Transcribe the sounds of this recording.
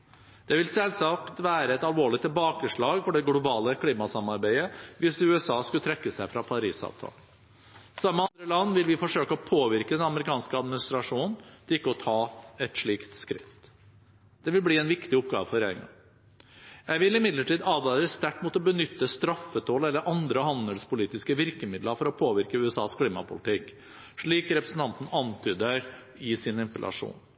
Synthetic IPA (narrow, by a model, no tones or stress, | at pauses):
d̪̥ɛʋɪlsɛlsɑkt̪ʋæːɾəɛt̪ɑlʋoːɭɪt̪ʰːɪlbɑːkəʂɭɑːɡfɔɖɛɡlʊbɑːləkʰliːmɑsɑmɑɾbæɪəʋɪsʉɛsɑːskʉt̪ʰɾɛkːəsæɪfɾɑpʰɑɾiːsɑ̰ːʋt̪ʰɑ̰ːlə | sɑmːəɑnd̪ɾəlɑnːʋɪlʋɪfɔʂøːkəɔpʰoːʋɪɾkəd̪ɛnɑməɾɪkʰɑːnskəɑd̪mɪnɪst̪ɾɑʂuːnn̩t̪ʰɪkːəɔt̪ʰɑːɛt̪ʂɭiːkt̪skɾɪft̪ | d̪̥ɛʋɪlbliːɛnʋɪkt̪ɪʊp̚ɡɑ̰ːʋəfɔɾḛːɪŋɑ̰ | jæɪʋɪlɪmɪd̪ləʈiːd̪ɑːd̪ɑːɾəst̪æʈːmuːt̪ɔbənʏt̪ːəst̪ɾɑfːət̪ʰoːlɛlːəɾʔɑnd̪ɾəhɑnd̪əlspʊliːt̪ɪskəʋɪɾkəmɪd̪ləfɔɾɔpʰoːʋɪɾkəʉːɛsɑ̰ːskʰliːmɑpʰʊlɪt̪ɪk | ʂɭiːkɾɛpɾəsn̩t̪ɑnt̪n̩ɑnt̪ʰyːd̪əɾ | ɪsɪnɪmpəlʔɑ̰ʂṵːn